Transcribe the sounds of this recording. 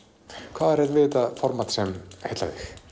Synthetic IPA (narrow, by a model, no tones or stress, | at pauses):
kʰv̥aːðɛɾɛðvɪːt̪afɔɾmat̪sɛmhet̪la̰ðɪx